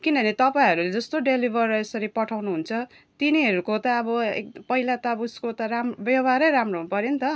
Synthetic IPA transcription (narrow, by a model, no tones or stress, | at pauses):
kinʌnit̪ʌpaĩɦʌɾuled͡zʌst̪oɖelibʱʌrʌesʌɾipʌʈʰawnuɦunt͡sʰʌ | t̪iniɦʌɾukot̪ʌːbʌḛkpʌɦilat̪ʌʌbʌuskot̪ʌɾamrbjʌbʱaɾʌjɾamroɦunupʌɾent̪ʌ